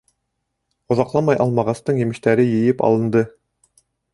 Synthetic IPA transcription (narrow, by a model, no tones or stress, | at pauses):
ŏðɑqlˠɑmɑjʔɑlˠmɑʁɑst̪ɤɴjɘ̆mɘ̆ʃt̪æɾɘjɘ̆jɘpɑ̰lˠɤ̆nd̪ɤ